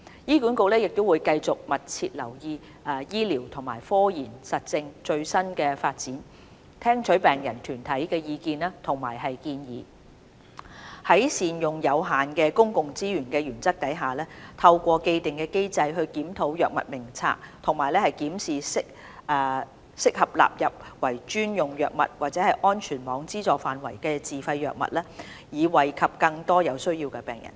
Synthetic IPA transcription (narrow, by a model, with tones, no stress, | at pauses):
jiː˥kuː˨˥nko˧wlɛː˥jɪ˨k̚t̪o˥wuː˨˧jkɐ˧jt͡sʊ˨k̚mɐ˨˩t̚t͡sʰiː˧t̚lɐ̰˨˩wjiː˧ | ʔɐː˨˧jiː˥liː˨˩wt̪ʰʊ˨˩ŋmaː˨˩jfɔː˥jiː˨˩nsɐ˨t̚t͡sɪ˧ŋt͡ʃɵ˧ɥsɐ˥nkɛː˧faː˧t̚t͡siː˨˥n | t̪ʰɛː˥ŋt͡ʃʰɵ˨˥ɥpɛː˨ŋjɐ˨˩nt̪ʰyː˨˩nt̪ʰɐ˨˥jkɛː˧jiː˧kiː˧naː˥t̪ʰʊ˨˩ŋma̰ː˨˩jɦɐ˨jkiː˧njḭː˨ | hɐ˨˥jsiː˨njʊ˨˩ŋjɐ˨˧wɦaː˨˩nkɛː˧kʊ˥ŋkʊ˨ŋt͡siː˥ɥyː˨˩nkɛː˧ɥyː˨˩nt͡sɐ˥k̚t̪ɐ˨˥jɦaː˨lɛː˥t̪ʰɐ˧wkʷɔː˧ke˧jt̪ɪ˨˩ŋkɛː˧ke˥jt͡sɐ˧jɦɵ˧ɥkiː˨˥mt̪ʰo˨˥wjœː˨k̚mɐ̰˨t̚mɪ˨˩ŋt͡sʰa̰ː˧k̚t̪ʰʊ˨˩ŋmaː˨˩jlɛː˥hɐ˨˩jkiː˨˥msiː˨sɪ˥k̚ː | sɪ˥k̚hɐ˨p̚la̰ː˨p̚jɐ˨p̚wɐ˨˩jt͡ʃyː˥njʊ˨ŋjœː˨k̚mɐ̰˨t̚waː˨t̚t͡sɛː˨˧˥hɐ˨jʔɔː˥nt͡ʃʰyː˨˩nmɔː˨˧ŋt͡siː˥t͡sɔː˨˩faː˨˩nwɐ˨˩jkɛː˧t͡siː˨fɐ˧jːœː˨k̚mɐ̰˨t̚lɛː˥ | jiː˨˧wɐ˨jkʰɐ˨p̚kɐ˧ŋt̪ɔː˥jɐ˨˧wsɵ˥ɥjiː˧wkɛ˧pɛ̰ː˨˩ŋjɐ̰˨˩n